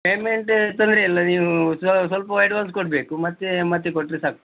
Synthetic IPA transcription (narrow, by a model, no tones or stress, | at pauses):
peːmeɳʈt̪ɐnd̪ɾeilːɐniːʋusɐsʋɐlpɐʋɐjʈʋaːns̬koʈ̚beːkumɐt̪ːemɐt̪ːekoʈːɾesaːk̚u